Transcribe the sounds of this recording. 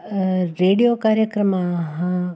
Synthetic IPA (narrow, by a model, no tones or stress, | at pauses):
ɾeːɽijoːkaːɾjəkɾəmãɦã